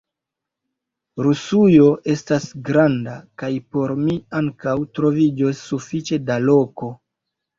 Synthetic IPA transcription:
ɾusujo̞ʔe̞stasɡɾandakajpo̞ɾmiaŋkawtɾo̞vid͡ʒosːufit͡ʃe̞dalo̞ko̞

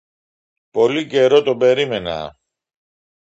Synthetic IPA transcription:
po̞lice̞ɾo̞t̪o̞be̞ɾime̞nɐ̰

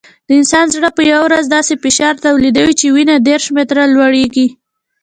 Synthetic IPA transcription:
d̪̥əɪnsɑnzɽəpəjawɾazd̪ɑsefɪʃɑɾt̪awlid̪awit͡ʃewinad̪eɾʃmet̪ɾalwaɽeɡi

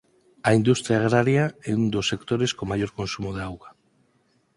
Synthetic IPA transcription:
aind̪ust̪ɾjaːɣ̞ɾaɾjaɛund̪osːekt̪oɾeskomajoɾkonsumoðeawɣa

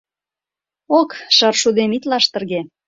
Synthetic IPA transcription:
okʃɤrʃud̪emit̪lɑʃt̪ə̆rɣe

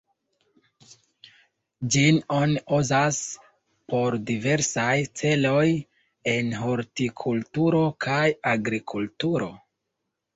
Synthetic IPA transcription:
d͡ʒino̞niʔuzas | po̞ɾdive̞ɾsajt͡se̞lo̞j | e̞nɦoɾtikʰultuɾo̞kʰajaɡɾikʰultuɾo̞̰

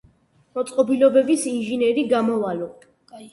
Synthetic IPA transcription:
mɔt̪sʼqʼɔbilɔbɛbisinʒinɛɾiɡamɔvalɔ

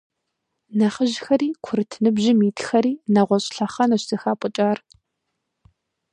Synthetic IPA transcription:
nɐχəʒxɐɾiːkʷʰʊɾɨtʰɨnɨbʒɪmiːtʰxɐɾiːnɐʁʷɔɕʼɬɐχɐnɐɕsɐxaːpʼʊt͡ʃʼaːr

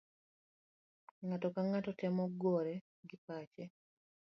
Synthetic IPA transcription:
ŋatɔkaŋatɔtɛmɔɡɔɾɛ | ɡɪpat͡ʃɛ

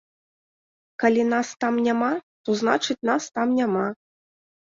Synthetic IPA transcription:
kalʲinast̪amnʲamat̪ɔzna̰t͡ʂɨt͡sʲnast̪amnʲama

